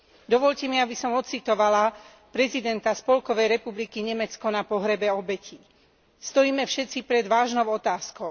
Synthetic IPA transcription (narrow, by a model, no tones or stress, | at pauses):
d̪ɔʋɔʎcɛmiabisɔmɔt̪t͡sit̪ɔʋala | pɾɛzid̪ɛnt̪aspɔlkɔʋɛjɾɛpublikiɲɛmɛt͡skɔnapɔɦɾɛbɛɔbɛci | st̪ɔjiːmɛfʃɛtt͡sipɾɛd̪ʋaːʒnɔʊɔt̪aːskɔʊ